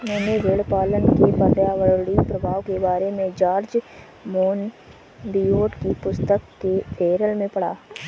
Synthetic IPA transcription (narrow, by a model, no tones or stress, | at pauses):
ʊnõːneɡeːɽpaːlənkepəɾjaːʋəɾɽipɾɐbʱaːʋkebaːɾemẽd͡ʒaːɾd͡ʒ | moːn | bijoːʈkipʊst̪əkːefʰeːɾəlmẽpɐɽ̤a̰ː